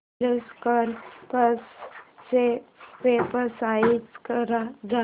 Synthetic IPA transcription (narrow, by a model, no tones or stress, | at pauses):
əskəɾpəssepeːpəsaːikəɾad͡ʒa